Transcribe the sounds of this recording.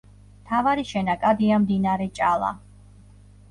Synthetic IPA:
mt̪ʰavaɾiʃɛnakʼad̪iamd̪inaɾɛt͡ʃʼalˠa̰

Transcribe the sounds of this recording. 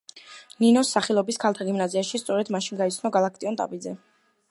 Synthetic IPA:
ninɔsːaχɛlˠɔbiskʰalˠt̪ʰaɡimnaziaʃist̪sʼɔɾɛd̪maʃiŋɡait̪sʰnɔɡalˠak̚ʰt̪ʼiɔnt̪ʼa̰pʼid̪zɛ

